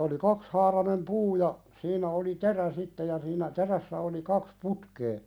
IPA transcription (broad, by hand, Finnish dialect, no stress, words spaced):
oli kɑkshɑːrɑnem puː jɑ siːnˑæ oli teræ sitːe jɑ siːnæ teræsːæ oli kɑks putkeː